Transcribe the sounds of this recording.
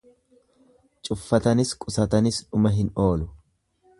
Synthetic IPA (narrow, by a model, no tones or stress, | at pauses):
t͡ʃʼʊfːɐt̪ɐnɪskʼʊsɐt̪ɐnɪsᶑʊmɐɦɪno̞ːlʊ